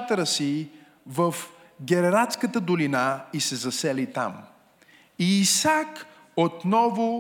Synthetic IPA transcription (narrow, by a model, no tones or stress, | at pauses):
t̪əɾəsi | vəf | ɡʲɛɾɛɾat̪skət̪əd̪ʊlinaisɛzɐsɛlit̪a̰m | iːsak | ot̪nɔvʊ